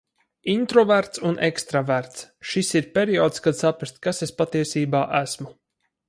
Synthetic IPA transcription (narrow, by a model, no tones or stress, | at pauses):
int̪ɾɔvæɾt̪sunʔekst̪ɾavæɾt̪sʃisiɾpʲeɾiɔːt̪skad̪sapɾast̪̚kasespat̪iɛsiːbaːʔæsmu